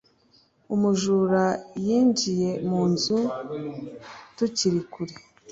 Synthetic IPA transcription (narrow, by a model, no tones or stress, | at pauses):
umuʒuːɾajiːɲɟije̞muːnzu | tuciɾikuɾi